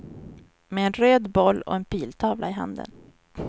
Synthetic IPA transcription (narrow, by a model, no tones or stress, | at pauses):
meɛnɾøːd̪bɔlːɔ̰ɛnpʰiːlt̪ʰɑːvlʔaɪɦa̰nd̪ə̰n